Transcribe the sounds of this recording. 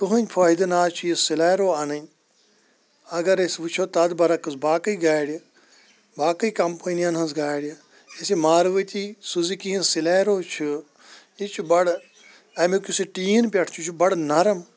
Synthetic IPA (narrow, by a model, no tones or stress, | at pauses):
k̪uɦɐnʲpʰoːɦid̪ɐnaːt͡ʃʰujisilaːɾoːanɐnʲ | ɐɡɐɾesʋɨt͡ʃʰoːt̪ɐd̪bɐɾɐkɨsbaːkɐiɡaːjɽʲ | baːkɐikɐmpɐnijɐnɦɐzɡaːjɽʲ | esimaːɾʋɐt̪isuzikiĩsilaːɾoːt͡ʃʰu | it͡ʃʰubɐɽ | ɐmikusiʈiːnpʲɐʈʰt͡ʃʰut͡ʃʰubɐɽnɐɾɐm